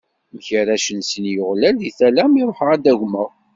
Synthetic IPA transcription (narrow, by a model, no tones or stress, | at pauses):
məçəɾæʃənsənjʊʁlæliθælæmiɾˤoħʁæd̪æʝməʁ